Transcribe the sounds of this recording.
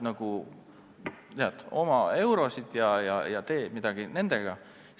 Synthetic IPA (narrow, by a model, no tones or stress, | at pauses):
nɑɡ̥u | t̪eɑt̪ːo̞mɑe̞wɾo̞sid̪̥jɑjɑ̰jɑt̪e̞ːmid̪̥ɑɡ̥ine̞nd̪̥e̞ɡ̥ɑ